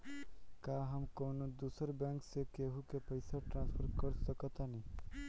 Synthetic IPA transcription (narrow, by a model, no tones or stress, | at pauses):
kaɦamkownod̪usəɾbɛ̃ŋksekeɦukepəjsaʈɾãnspʰəɾkɔɾsɔkɔt̪ani